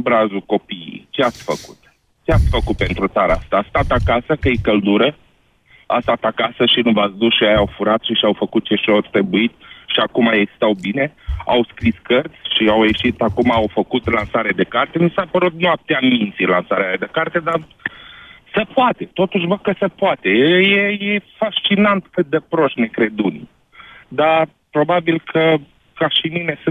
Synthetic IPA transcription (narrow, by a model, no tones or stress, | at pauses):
bɾazuko̞pijḭt͡ʃeat̪sʲfəku̥̰t̪ | t͡ʃeat̪sʲfəkut̪̚pe̞nt̪ɾut̪aɾəast̪aːst̪at̪atkasəkəjekəld̪uɾə | ast̪at̪akasəʃinuvasd̪usʃiajaawfuɾat̪ʃiʃiawfəkut̪̚t͡ʃe̞ʃot̪ɾebuit̪ʃiakumaeɡzist̪awbine̞a̰wskɾiskərt̪sʲʃiawje̞ʃit̪akumaːwfəkut̪lansaɾead̪e̞kart̪e̞misapəɾut̪̚nuap̚t̪eamint̪silansaɾealed̪e̞kart̪e̞d̪a | səpoat̪e̞t̪o̞t̪uʃbəkəsəpoat̪e̞jejeje̞faʃt͡ʃinant̪kɨt̪̚d̪e̞pɾo̞ʃt̪ne̞kɾe̞d̪un | d̪a | pɾo̞babilkʰə | kaʃimine̞sɨ